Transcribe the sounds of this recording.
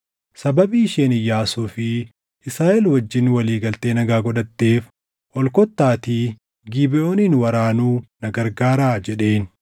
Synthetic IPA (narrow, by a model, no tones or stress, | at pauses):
sɐbɐbiːʃeːnɪjːaːsufɪ | ʔɪsɾaːʔɛlwɐd͡ʒːɪnwɐliːɡɐlt̪e̞ːnɐɡaːɡɔᶑɐt̪ːe̞ːf | ʔɔlkɔt̪ːaːt̪iː | ɡiːbɪʔo̞ːniːnwɐɾaːnuːnɐɡɐɾɡaːɾaːd͡ʒɛᶑe̞ːn